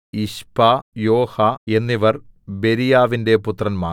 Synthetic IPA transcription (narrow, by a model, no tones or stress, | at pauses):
iɕpajo̞ːhɐe̞nːiʋɐrbe̞ɾijaːʋinde̞put̪rɐnma̰ː